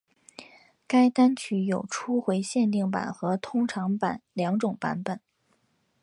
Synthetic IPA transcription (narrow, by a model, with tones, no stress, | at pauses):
ka˥ɪt̪a˥nt͡ɕʰy˧˥˩jo˨˩ʊʈ͡ʂʰu˥xwe˧˥ɪɕjɛ˥˧nt̪i˥˩ŋpa̰˨˩nxɤ˧˥t̪ʰʊ˥ŋʈ͡ʂʰɑ˧˥ŋpa˨˩˦nljɑ˧˥ŋʈ͡ʂʊ˨˩ŋpa̰˧˥npə˨˩˦n